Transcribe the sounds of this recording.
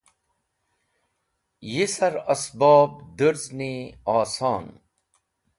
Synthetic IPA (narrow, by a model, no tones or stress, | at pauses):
jisɐɾɐsbaːb̚d̪əɾzniːaːsaːn